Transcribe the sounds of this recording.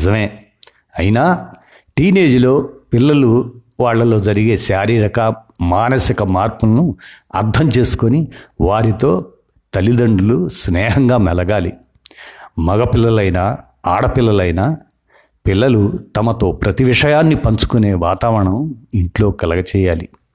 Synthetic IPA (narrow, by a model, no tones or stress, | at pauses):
zɐmeː | ɐjinaː | ʈiːne̞ːd͡ʒilo̞ːpilːɐluʋaːɭːɐlo̞ːd͡ʒɐɾiɡe̞ːʃaːɾiːɾɐkɐmaːnɐsikɐmaːɾpulnuɐ̰ɾt̪ʰɐmt͡ʃe̞ːsu̥koniʋaːɾit̪o̞ː | t̪ɐlid̪ɐɳɖulusnɛːɦɐŋɡaːmɛlɐɡaːli | mɐɡɐpilːɐlɐjnaː | aːɽɐpilːɐlɐjnaː | pilːɐlut̪ɐmɐt̪o̞ːpɾɐt̪iʋiʂɐjaːnːipɐɲt͡ʃu̥kune̞ːʋaːt̪aːʋɐɐɳɐmiɳʈlo̞ːkɛlɐɡɐt͡ʃɛːjaːlḭ